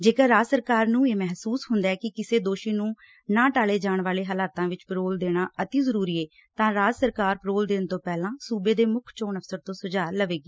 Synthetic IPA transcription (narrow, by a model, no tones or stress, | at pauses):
d͡ʒeːkəɾaːd͡ʒsəɾkaːɾnũːeːmɛɦsuːsɦʊnd̪aɛːkɪkɪseːd̪oːʃiːnũː | nãːʈaːleːd͡ʒaːɳʋaːleːɦəlaːt̪ãːʋɪt͡ʃpɾoːld̪eːɽ̃aːʔət̪iːzəɾuːɾiːeː | t̪ãːɾaːd͡ʒsəɾkaːɾpɾoːld̪eːnt̪õːpɛːlãːsuːbeːd̪eːmʊkʰt͡ʃoːnəfsəɾt̪õːsʊd͡ʒaːɾləʋeːɡeː